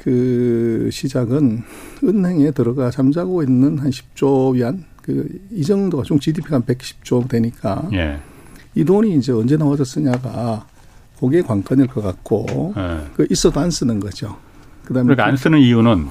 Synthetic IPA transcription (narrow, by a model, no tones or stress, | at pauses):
kɯ | ɕʰid͡ʑaɡɯnɯnɦhe̞ŋe̞tɯɾʌɡat͡ɕamd͡ʑaɡoinːɯnhanɕʰi̥p̚t͡ɕ͈obian | kɯid͡ʑʌŋdoɡat͡ɕoŋt͡ɕidipʰiɡanpe̞k̚ɕ͈ʰi̥p̚t͡ɕ͈odweɲik͈a̰jḛ | idoɲiːnd͡ʑe̞ʌnd͡ʑe̞nawʌd͡ʑʌs͈ɯɲaɡa | koɡekwaŋk͈anɯɭk͈ʌk͈ak̚k͈o̰ | kɯʔis͈ʌdoans͈ɯnɯnɡʌd͡ʑo | kɯdamkaans͈ɯnɯnijunɯn